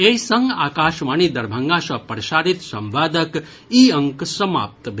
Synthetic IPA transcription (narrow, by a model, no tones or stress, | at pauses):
ejsɐŋɡaːkaːʃʋaːniːd̪ɐɾbʱɐŋɡaːʃɐpɾʃaːɾit̪sɐ̃mʋaːd̪ək | iːɐŋksɐma̰ːp̚t̪bʱ